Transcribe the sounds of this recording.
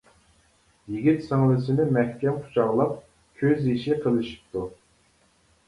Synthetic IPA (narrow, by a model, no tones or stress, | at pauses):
jiɡʲit̪səŋlˠɨsɪnɪmɛhkʲɛmqʰu̥t͡ʃʰɑʁlˠɑp̚ | kʲʰøziʃiqʰəlˠɨʃi̥p̚t̪u